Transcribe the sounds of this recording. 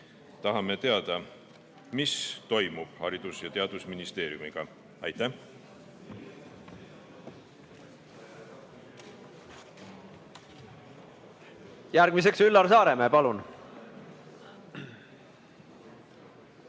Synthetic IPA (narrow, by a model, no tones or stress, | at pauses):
t̪ɑɦɑme̞t̪e̞ɑd̪̥ɑ | mist̪o̞jmub̥hɑɾid̪̥usjɑt̪eɑd̪̥usminist̪e̞ːɾjumiɡ̥ɑ | ɑjt̪æh | jæɾɡ̥mis̬e̞ksylːɑɾsɑːɾemeːpɑlun